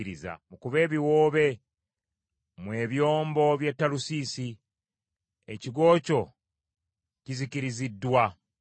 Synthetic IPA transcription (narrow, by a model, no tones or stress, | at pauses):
ɾiza̰mukuβe̞ːβiwo̞ːβe̞ | mwe̞ːβjoːmbo̞βje̞tːalusiːsi | ḛciɡo̞ːco̞ | ciziciɾizidːwa